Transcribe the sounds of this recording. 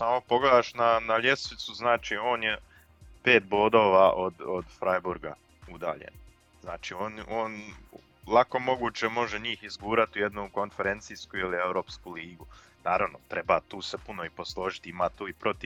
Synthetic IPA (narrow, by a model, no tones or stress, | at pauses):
saːmopoɡled̪aːʃnanaʎe̞sʋit̪suznaːt͡ʃio̞ːnje̞ | pe̞ːt̪̚bo̞ːd̪o̞ːʋaʔod̪od̪fɾajbuɾɡa̰ | ud̪a̰ːʎḛn | znaːt͡ʃio̞ːnoːn | lˠako̞mo̞ɡuːt͡ɕemo̞ʒeɲiːxizɡuːɾat̪ujed̪nuko̞nfeɾent̪sijskuiliewɾo̞ːpskuliːɡu | naːɾaʋnot̪ɾebaːt̪uːsepuno̞ipo̞slˠo̞ːʒit̪iimaːt̪uːipɾo̞t̪iʋ